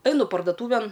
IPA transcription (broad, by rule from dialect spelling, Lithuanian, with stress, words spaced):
ˈɐɪnʊ pɐrdoːˈtuːʋʲɛn